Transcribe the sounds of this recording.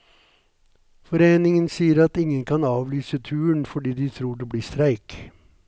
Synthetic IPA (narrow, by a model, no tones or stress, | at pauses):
fɔɾeːnɪŋənsiːəɾɑt̪ɪŋənkʰɑnɑːʋlyːsət̪ʰʉːəɳfɔɖiːd̪ɪːt̪ʰɾuːɖeːbliːst̪ɾæɪk